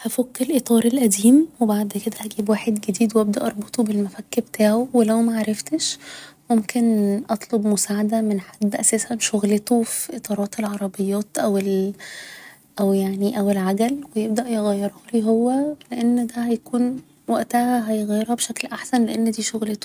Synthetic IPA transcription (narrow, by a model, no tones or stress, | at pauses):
hæfokːelʔet̪ˤɑːɾˤelʔæd̪iːmwebaʕd̪ked̪æʔæɡiːbwaːħed̪ɡed̪iːd̪weʔæb̚d̪æ̰ʔɑɾˤbet̪ˤobelmæfækːbt̪ʰaːʕowelæwmæʕaɾˤɑft̪eʃmomkʰenʔɑt̪ˤlobmosaːʕad̪æmenħad̪ːʔæsæːsænʃoɣlet̪ofiʔet̪ˤɑːɾˤɑːt̪elʕɑɾˤɑbejːæːt̪ʔæwel | ʔæwjaʕniʔæwelʕaɡælwejeb̚d̪æʔjeɣæjːɑɾˤhɑliɦowːæleʔenːd̪æhæjækuːn | wæʔt̪æhæɦæjɣæjːeɾhæbeʃæklʔaħsænleʔenːd̪iːʃoɣlet̪o̥